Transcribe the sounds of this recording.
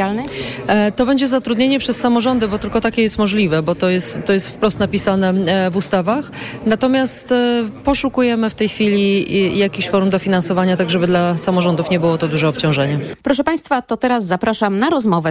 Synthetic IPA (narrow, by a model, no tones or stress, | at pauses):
jalnɛt̪ɔbɛɲd͡ʑɛzat̪ɾud̪ʲɲeɲɛpʂɛsːamɔʐɔnd̪ɘbɔt̪ɘlkɔt̪akʲɛjɛst̪mɔʐlʲivɛbɔt̪ɔjɛst̪ːɔjɛst̪fpɾɔst̪napʲisanɛvust̪avaxnat̪ɔmʲjast̪pɔʂukujɛmɘft̪ɛjxfʲilʲijakʲiɕfɔɾumd̪ɔfʲinansɔvaɲat̪aɡʐɛbɘd̪lasamɔʐɔnd̪ufɲɛbɘwɔt̪ɔd̪uʐɛɔpt͡ɕɔ̃w̃ʐɛɲɛpɾɔʂɛpaj̃st̪fat̪ɔt̪ɛɾasːapɾaʂamnaɾɔzmɔvɛ